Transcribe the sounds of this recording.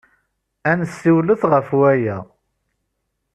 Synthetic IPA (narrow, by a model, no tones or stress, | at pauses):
ænsːiwləθʁəfwæjæ